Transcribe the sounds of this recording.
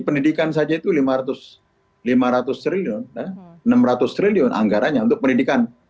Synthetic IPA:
pəndidikansad͡ʒait̪ulimaɾat̪ʊs | limaɾat̪ʊst̪ɾiliʊnaənəmrat̪ʊst̪ɾiliʊnʔa̰ŋɡaɾaɲaunt̪ʊk̚pəndidikan

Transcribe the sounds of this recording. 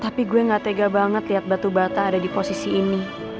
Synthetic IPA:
t̪apiɡuɛŋɡat̪eɡabaŋət̪liɦat̪̚bat̪ubat̪aːdadiposisiːni

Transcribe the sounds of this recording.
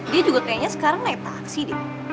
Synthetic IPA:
diad͡ʒuɡak̪ajaɲasə̥kaɾaŋnait̪aːksidi

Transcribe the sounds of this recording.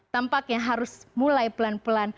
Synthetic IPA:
t̪əmpakjaŋɦaɾʊsmulajpəlanpəlan

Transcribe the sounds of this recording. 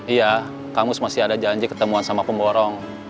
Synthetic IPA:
ija | kamʊsmasɪadad͡ʒaɲd͡ʒikə̥t̪əmuansamapəmbɔɾɔŋ

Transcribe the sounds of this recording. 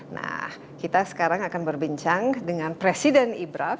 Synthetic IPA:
na̰h | kit̪asə̥kaɾaŋakanbərbiɲt͡ʃaŋdəŋanpɾesidɛnibɾaf

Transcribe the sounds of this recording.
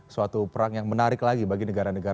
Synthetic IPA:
suat̪upəɾaŋjaŋmənaɾɪklaɡibaɡinəɡaɾanəɡa

